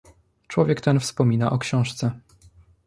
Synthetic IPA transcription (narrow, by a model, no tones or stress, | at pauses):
t͡ʂwɔvʲjɛkt̪ɛnfspɔmʲinaʔɔkɕɔ̃w̃ʂt̪sɛ